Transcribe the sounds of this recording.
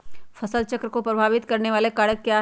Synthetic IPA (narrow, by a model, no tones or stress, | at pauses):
fʰɐsəlt͡ʃɐkɾəkopɾɐbʱaːʋɪt̪kɐɾneʋaːlekaɽəkːjaː